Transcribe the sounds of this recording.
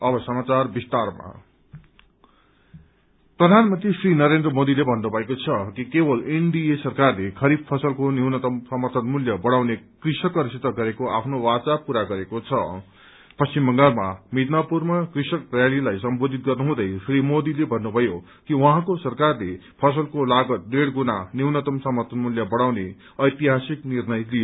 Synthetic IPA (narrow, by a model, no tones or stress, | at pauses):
ʌbʌsʌmat͡sarbist̪arma̰ | prʌd̪ʱanmʌnt̪risrinʌɾend̪rʌmod̪ilebʱʌnːubʱʌekot͡sʰʌkikebʌleɳɖiesʌrkarlekʰʌɾib̚pʰʌsʌlkoniɦunʌt̪ʌmsʌmʌrt̪ʰʌt̪muljʌbʌɽ̃awnekrisʌkʌɾisit̪ːʌɡʌɾekoʔapʰnowat͡sapuɾaɡʌɾekot͡sʰʌ | pʌsimbʌŋɡalmamit̪napurmakrisʌkrjalilajsʌmbod̪ʱit̪̚ɡʌrnuɦũd̪ʌjsrimod̪ilebʱʌnːubʱʌjo | kiwaɦãkosʌrkarlepʰʌs̬ʌlkolaɡʌt̪̚deɽɡunaniwnʌt̪ʌmsʌmʌrt̪ʰʌnmuljʌbʌɽ̃awne | ʌjt̪iɦasiknirnʌjlijo